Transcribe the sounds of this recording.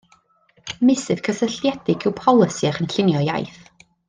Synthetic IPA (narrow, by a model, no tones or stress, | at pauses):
mɪsɨv̥kʰəsəɬjɛdɪɡɪwpʰɔlˠəsiaχənɬɪnjɔja̰jθ